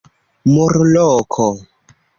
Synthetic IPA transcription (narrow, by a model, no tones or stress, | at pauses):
mɔɾlɔːkʰɔ